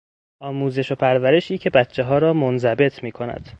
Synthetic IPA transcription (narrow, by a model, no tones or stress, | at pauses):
ʔɒːmuːze̞ʃo̞pʰæɾvæɾe̞ʃiːcʰe̞bætʰt͡ʃʰːeɦɒːɾɒːmonzæbe̞t̪ʰmiːkʰo̞næ̰d̪̥